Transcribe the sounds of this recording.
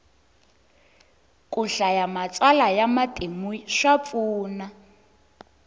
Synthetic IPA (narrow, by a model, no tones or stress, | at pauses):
kʼuɬajamat͡sʼalajamatʼemuʂap̪fuːna